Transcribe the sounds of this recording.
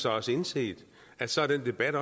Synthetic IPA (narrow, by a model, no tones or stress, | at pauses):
sɑ̈ɪɒ̽səe̝nse̝̰ːd̥ | æd̥sɒæɐd̥en̰d̥e̝b̥æɾ̥ɒ̽